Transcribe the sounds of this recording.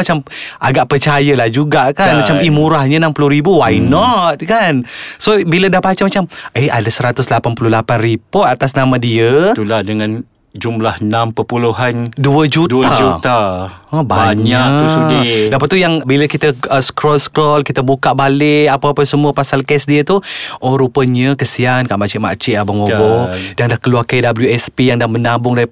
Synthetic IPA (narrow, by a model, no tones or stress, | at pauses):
at͡ʃamʔaɡaʔpərt͡ʃajəlahd͡ʒuɡaʔkanmat͡ʃamimuɾahɲənampuluɾibuwajnɔt̪̚kansobilədahpat͡ʃamat͡ʃaməjadasəɾat̪ʊslapanpuluhlapanripɔt̪at̪asnamãdiət̪ulahdəŋãn | d͡ʒumlahənãmpəpuluɦanduəd͡ʒutduaut̪aɔbaaɲaʔt̪usudidəpat̪̚ːujaŋbiləkit̪əəskɾɔlskɾɔlkit̪əbukaʔbalɪapaapənsəmuəpasalkɛsdiət̪uʔɔɾupəɲəkəsiankaʔmat͡ʃɪʔma̰ʔt͡ʃɪʔabamobɔdaŋdahkəluarkejdabəljuɛspijaŋdahmənabʊŋdai